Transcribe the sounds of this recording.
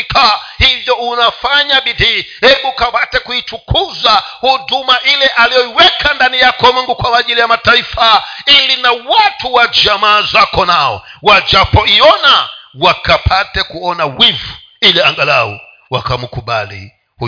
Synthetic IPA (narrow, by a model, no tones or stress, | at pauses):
kʰahivjɔunafaɲaɓidihɛɓukapatɛkuit͡ʃukʰuzahudumaʔilɛʔalijɔiwɛkʰandanijakɔmiŋɡukwamaʄilijamataifailinawatuwad͡ʒamaːzakɔnaɔ̰wad͡ʒapɔiɔnawakapʰatɛkuɔnawivu̥ | iliaŋɡalaɔ̰ | wakamukuɓa̰lḭ | hu